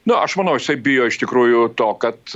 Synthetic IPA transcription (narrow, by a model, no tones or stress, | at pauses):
nʊʔɐʃmɐnɐʊjɪsɐɪbʲɪjoːɪʃt̪ʲɪkɾuːjʊt̪oːkɐt̪